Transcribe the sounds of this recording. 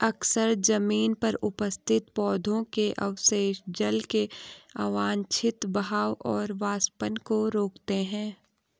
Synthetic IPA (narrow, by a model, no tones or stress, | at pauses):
ɐksəɾd͡ʒɐmiːnpɐɾʊpəst̪ʰɪt̪pɔːd̪ʱõkeʔɐ̰ʋseːʃd͡ʒɐlkeaːʋaːnt͡ʃʰɪt̪bɐɦaːwʔɔːɾʋaːspənkoɾoːkt̪eɦɛ̃ː